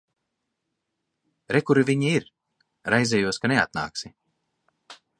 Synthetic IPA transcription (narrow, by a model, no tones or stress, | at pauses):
ɾɛkuɾiviɲiiɾ | ɾajzʲɛjuɔskanea̰t̪̚na̰ːksi